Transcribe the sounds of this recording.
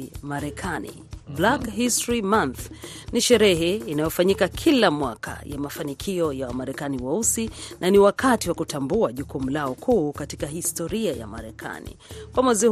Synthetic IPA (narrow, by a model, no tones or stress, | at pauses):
maɾɛkʰanḭ | blakhistɾimanθniʃɛɾɛɦɛinajɔfaɲikakʰilamwaka̰jamafanikʰiɔjawamaɾɛkaniwausinaniwakʰatiwakutambuaʄukumulaɔkʰuːkati̥kahistɔɾiaja̰ma̰ɾɛkʰa̰nḭkwamwɛzi